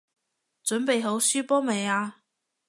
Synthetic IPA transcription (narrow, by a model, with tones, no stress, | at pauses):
t͡sɵ˨˥npe˨jɦo˨˥wsyː˥pɔː˥me˨˩jaː˧